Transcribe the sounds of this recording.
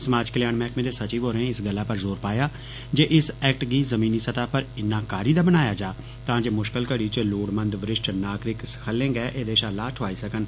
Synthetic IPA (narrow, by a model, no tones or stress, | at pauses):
səmaːd͡ʒkəljaːnmɛːkmẽːd̪eːsət͡ʃiːʋoːɾeẽɪsɡəlːaːpəɾzoːɾpaːjaː | d͡ʒeːʔɪsɛːk̚ʈɡiːzəmĩːniːsət̪aːpəɾɪnːãːkaːɾiːd̪aːbənaːjaːd͡ʒaː | t̪ãːd͡ʒeːmʊʃkəlkəɽiːt͡ʃəloːɽmənd̪ʋəɾɪʃʈnaːkɾɪkskʰəlːẽːɡɛːʔeːd̪eːʃaːlaːʈʰʊaːiːsəkən